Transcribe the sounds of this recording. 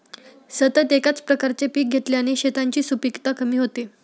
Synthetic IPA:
sət̪ət̪ekat͡spɾəkaɾt͡ɕepiːk̚ɡʱet̪ljaniɕet̪aɲt͡ɕiːsupikt̪akəmiːɦot̪i

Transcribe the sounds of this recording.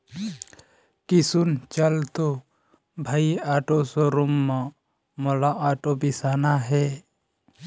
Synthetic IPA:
kɪsunt͡ʃəlt̪o | bʱaiaːʈosoɾumːã | molaʔaːʈopisaːnaɦɛː

